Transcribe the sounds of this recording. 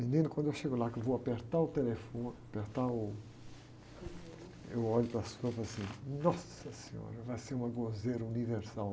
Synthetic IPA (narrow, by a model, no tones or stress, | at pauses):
mĩnĩnʊkwɐ̃nd̪ewʃeɡʊlakewvowapeɾt̪aɾʊt̪elefõnapeɾt̪aʊ | ewɔʎʊpɾɐsuɐvoasĩnɔsɐsẽɲo̰ɾɐvajseɾũmɐɡozejɾɐuniveɾsal